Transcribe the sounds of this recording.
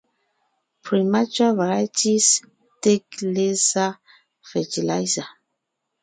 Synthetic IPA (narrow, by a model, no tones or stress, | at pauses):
pʰɹimat͡ʃavaɹajtis | teklesa | fɛtilajza